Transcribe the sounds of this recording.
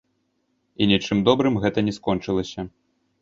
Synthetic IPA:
inʲit͡ʂɨmd̪ɔbɾɨmɣɛt̪ɐnʲɛskɔnt͡ʂɨlˠɐsʲɐ

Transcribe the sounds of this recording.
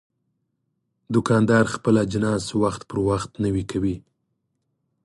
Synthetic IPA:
d̪ʊkɑnd̪ɑɾxpəlad͡ʒɪnɑswaxt̪pəɾwaxt̪nəwikʰawi

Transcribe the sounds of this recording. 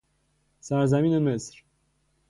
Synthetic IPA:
sæɾzæmiːnemesɾ

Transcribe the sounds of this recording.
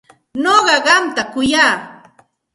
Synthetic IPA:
noɢɑɢɑmt̪akʊjaː

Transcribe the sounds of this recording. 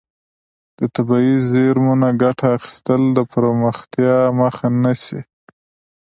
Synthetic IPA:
d̪̥ət̪abɑizeɾmunaɡaʈaːxɪ̥st̪əld̪əpɾoməxt̪jɑməxanaʃi

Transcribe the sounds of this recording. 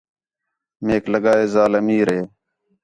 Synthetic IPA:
meːkləɠaːeːzaːləmiːɾeː

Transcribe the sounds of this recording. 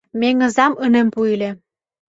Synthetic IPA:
meŋɤ̆zɑmɤnĕmpuilʲĕ

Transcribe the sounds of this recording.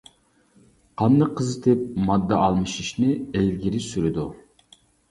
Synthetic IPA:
qʰɑnd̪əqʰəzɨt̪ʰɪp̚mɑd̪ːɑʔɑlˠmɨʃiʃnɪlɡʲiɾɪsyɾɪd̪u

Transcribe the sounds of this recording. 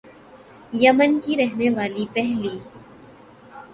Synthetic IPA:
jɐmənkiɾɛɦneʋaːlipɛɦliː

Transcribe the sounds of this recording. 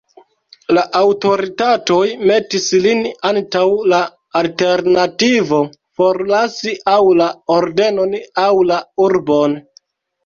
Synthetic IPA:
laʔawto̞ɾitato̞jme̞tislinantawlaː | lte̞ɾnativo̞ | foɾlasiʔawlaoɾde̞no̞nawlauɾbo̞n

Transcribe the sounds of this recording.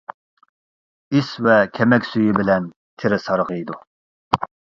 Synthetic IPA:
isvɛkʲʰɛmɛkʲsyjibɪlɛn | t̪ʰɪɾɪsɑɾʁəd̪u

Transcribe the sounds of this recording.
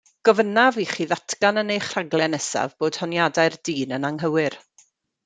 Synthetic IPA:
ɡ̥ɔvənaviχiːðatʰɡanənejχraɡlɛnɛsa̰vboːd̥hɔnjadajrdiːnənaŋɦəwɪr

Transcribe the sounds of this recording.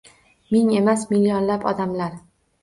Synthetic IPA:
mɪŋe̞masmilːijɒnlapɒ̰d̪amlaɾ

